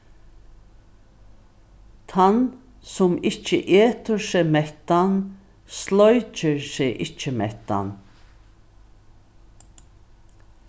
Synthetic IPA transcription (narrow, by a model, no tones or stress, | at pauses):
t̪ʰan | sʊmɪt͡ʃːə̰ʔeːt̪ʊɹseːmɛht̪an | slɔʏt͡ʃəɹseːʔɪt͡ʃːəmɛht̪a̰n